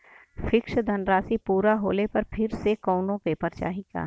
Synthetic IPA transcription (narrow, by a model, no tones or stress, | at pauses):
fɪkʃd̪ʱɐnɾaːsipuːɾaɦo̰ːlepɐɾpʰɪɾsekɔːnõpepɐɾt͡ʃa̰ːɦiɡa̰ː